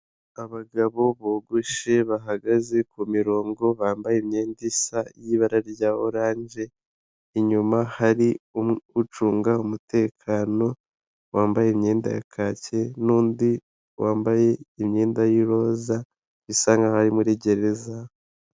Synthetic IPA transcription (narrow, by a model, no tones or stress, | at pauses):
aβaɡaβo̞βoɡuʃe̞βaɦaɡaze̞kumiɾo̞ːŋɡo̞βaːmbajemɲe̞ːndisajiβaɾaɾɟaːwoɾaːɲd͡ʒe̞ | iɲumahaɾiuut͡ʃuːŋɡaumute̞ːkʰaːno̞ | waːmbaje̞imɲe̞ːnda̰ja̰kʰaːce̞nuːndi | wʔaːmbaje̞imɲe̞ːndajiɾo̞za | βisaːŋɡahaɾimuɾiɟe̞ɾe̞za